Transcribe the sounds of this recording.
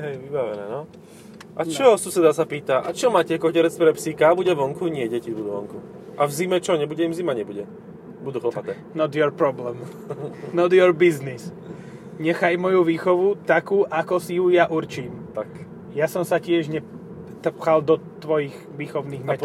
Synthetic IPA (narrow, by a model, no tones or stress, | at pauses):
ɦɛjʋibaʋɛnɛ̰ːnɔ | ʔat͡ʃɔsusɛd̪asapiːt̪aʔat͡ʃɔmaːcɛkɔcɛɾɛt͡s̪pɾɛpsikabuɟɛʋɔŋkuɲɪɛɟɛcibud̪uʋɔŋku | ʔavzimɛt͡ʃɔɲɛbuɟɛimzimaɲɛbuɟɛ | bud̪uːxlɔpat̪ɛːnɔd̪jɔɾpɾɔblɛm | nɔd̪jɔɾbiznis | ɲɛxajmɔjuʋiːxɔʋut̪akuːʔakɔsijujaʔuɾt͡ʃiːmt̪ak | jasɔmsacɪɛʒɲɛ | t̪r̩pxald̪ɔt̪ʋɔjiɣ | ʋiːxɔʊniːɣmɛ